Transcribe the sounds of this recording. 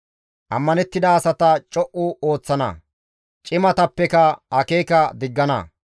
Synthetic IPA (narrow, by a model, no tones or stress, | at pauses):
ʔɐmːɐnɛt̪ːɪd̪ɐːsɐt̪ɐt͡ʃʼɔʔʊoːt͡sːɐnɐ̰ | t͡ʃʼɪmɐt̪ɐpːɛkɐɐkeːkɐd̪ɪɡːɐnɐ̰